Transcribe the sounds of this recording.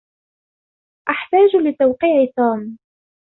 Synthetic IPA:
ʔaħt̪aːd͡ʒlɪt̪awqiːʕɪt̪uːm

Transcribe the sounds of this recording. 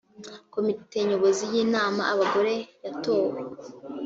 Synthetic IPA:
ko̞mite̞ɲo̞βo̞zijiːnaːmaʔaβaɡo̞ɾe̞jato̞ːwe

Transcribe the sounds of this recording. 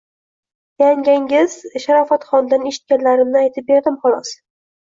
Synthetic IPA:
jaŋɡʲaŋʲɪzʃaɾɒfat̪χɒnd̪aneʃɪ̥t̪̚kʲanlaɾɪmnɪajt̪ʰɪp̚be̞ɾd̪ɪmχɒlˠɒs

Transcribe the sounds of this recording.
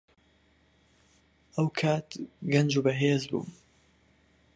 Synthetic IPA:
ʔɐwkʰaːt̪ɡɐnd͡ʒuːbɐɦeːzbṵː

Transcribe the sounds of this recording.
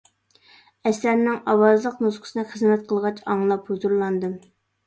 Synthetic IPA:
ɛsæɾnɪŋɑwɑzlˠəqnuzqʰə̥sɨnɨχəzmɛt̪̚qʰəlˠʁɑt͡ʃʰɑŋlˠɑphuzuɾlˠɑnd̪ɨm

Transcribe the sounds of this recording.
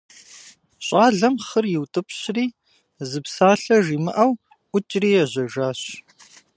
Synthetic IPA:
ɕʼaːɮɐmχərjɪwtʼɨpɕriː | zɨpsaːɬɐʒiːmɨʔɐw | ʔʷʊt͡ʃʼriːjɛʑɐʒaːɕ

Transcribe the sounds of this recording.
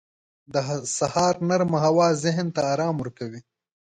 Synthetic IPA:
d̪əsahɑːɾnaɾmaɦawɑːzɪɦnt̪aːɾɑːmʊɾkawi

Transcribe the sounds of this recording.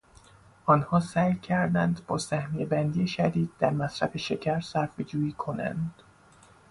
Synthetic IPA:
ʔɒːnhɒːsæːjcʰæɾd̪ænd̪bɒːsæhmijebænd̪ijeʃæd̪iːd̪̚ːæɾmæsɾæfe̞ʃe̞cʰæɾsæɾfed͡ʒuːjiːkʰo̞næ̰nd̪̥

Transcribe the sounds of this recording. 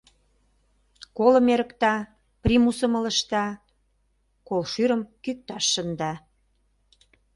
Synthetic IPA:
kolə̆meɾə̆kt̪ɑ | primusə̆mə̆lə̆ʃt̪ɑ | kolʃyɾəmkyk̚t̪ɑʃːənd̪ɑ

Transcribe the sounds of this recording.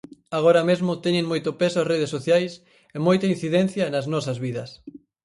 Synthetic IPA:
aɣ̞oɾɐmezmʊt̪ɛɲẽŋmojt̪ʊpesʊɐsreð̞esːoθjajs | emojt̪ɐĩn̟θiðɛn̟θjɐnɐznɔsɐzβiðɐs

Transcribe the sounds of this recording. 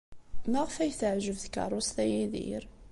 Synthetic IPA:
maʁfæjθəʕʒəvθkɑ̰rˤːʊst̪æjiðḭɾ

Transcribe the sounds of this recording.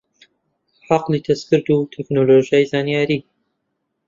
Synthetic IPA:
ħɑqlit̪ʰɐsfɨɾd̪uːt̪ʰɛknoloːʒijaːjzaːnijaːɾiː

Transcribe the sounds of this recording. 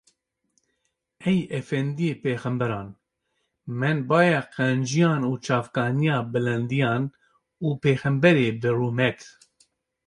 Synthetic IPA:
ɛjɛfɛnd̪ijeːpeːxɛmbɛɾɑːn | mɛnbɑːjɛqɛnd͡ʒijɑːnuːt͡ʃʰɑːfkɑːnijɑːbɨlɛnd̪ijɑːn | uːpeːxɛmbɛɾeːbɨruːmɛt̪

